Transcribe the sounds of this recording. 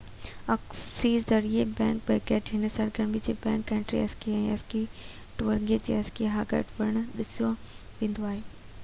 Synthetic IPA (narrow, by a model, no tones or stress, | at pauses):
ɐksiːzzɐɾiebɛ̃ːŋk̚bɛːkɛːʈɦɪnəsɐɾɡɐɾmid͡ʑeːbɛ̃ːŋkːɛ̃ːɳʈɾiɐskiɛ̃ːɐski | ʈʊʋəɾŋɡiəd͡ʑḛːɐskiɦaːɡḛːʈʋɐɾəɽ̃ɗɪsioʋẽːnd̪oaːɦeː